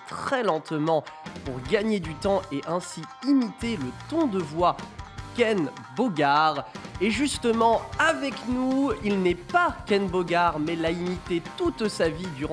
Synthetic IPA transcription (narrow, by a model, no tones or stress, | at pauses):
t̪χɛlɑ̃t̪mɑ̃ | puʁɡaɲed̪yt̪ɑ̃eʔɛ̃siimit̪elət̪ɔ̃d̪əvwakɛn | boɡaʁeʒyst̪əmɑ̃avɛknuilnɛpakɛnboɡaʁmɛlaimit̪et̪ut̪savid̪yʁ̃